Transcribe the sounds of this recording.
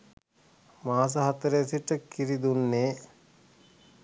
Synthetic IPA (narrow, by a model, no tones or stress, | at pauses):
maːs̬əɦat̪əɾəsiʈəkiɾid̪unːeː